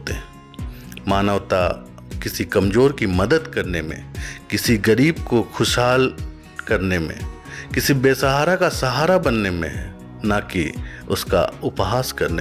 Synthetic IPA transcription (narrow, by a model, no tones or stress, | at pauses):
t̪eɛ̃ | maːnəʋt̪a̰ | kɪsikɐmzoːɾkimɐd̪əd̪kɐɾnemḛ̃kɪsiɡɐɾiːbkoxʰʊʃɦaːl | kɐɾnemḛ̃ | kɪsibeːsəɦaːɾakasɐɦaːɾabɐnːemḛ̃ɦ | nakiʊska̰ʊpɦaːskɐɾne